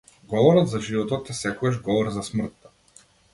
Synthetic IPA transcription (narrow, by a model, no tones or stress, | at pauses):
ɡɔvɔɾɔd̪zaʒivɔt̪ɔt̪ːɛsɛkɔɛʒɡɔvɔɾzasmr̩t̪ː